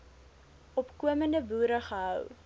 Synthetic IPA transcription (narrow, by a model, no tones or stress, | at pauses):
ɔpkuəməndəbuːɾəχəɦœw